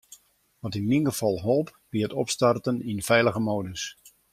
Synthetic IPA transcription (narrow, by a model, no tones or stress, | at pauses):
ʋɔtinminɡəv̥ɑlˠɦolˠp | b̥iətɔpstartəninfɛjləɣəmoːdəs